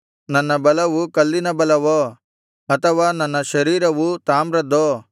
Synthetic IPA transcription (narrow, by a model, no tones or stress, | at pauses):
nɐnːɐbɐlɐʋukɐlːinɐbɐlɐʋo | ɐt̪ʰɐʋaːnɐnːɐʃɐɾiːɾɐʋut̪aːmɾɐd̪oː